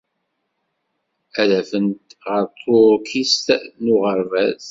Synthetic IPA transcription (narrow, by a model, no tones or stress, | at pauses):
ælæfənt̪ʁəɾt̪ˤʰːoɾkʰist̪nʊʁəɾvæz